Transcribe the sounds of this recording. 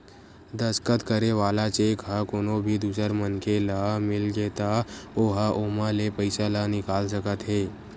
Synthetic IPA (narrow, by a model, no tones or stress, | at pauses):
d̪əskət̪kəɾeʋaːlat͡ʃeːkɦakoːnobʱid̪uːsəɾmənkʰelamɪlɡeːt̪aoɦaʔoːmãlepəɪsalanɪkaːlsəkət̪ɦeː